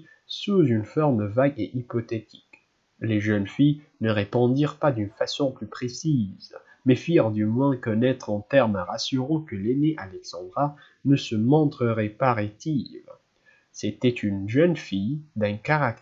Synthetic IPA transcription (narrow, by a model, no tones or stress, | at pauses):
suzynfɔʁmvaɡeʔipɔt̪et̪ʰi̥k | leʒənfijnəʁepɑ̃d̪iʁpad̪ynfasɔ̃plypχesiz | mɛfiʁd̪ymwɛ̃kɔnɛt̪χɑ̃t̪ɛʁmaʁasyʁɑ̃kəleneʔalɛksɑ̃d̪ʁa | nəsəmɔ̃t̪χəʁɛpaʁet̪iv | set̪ɛt̪ʰynʒœnfijd̪ɛ̃kaʁak̚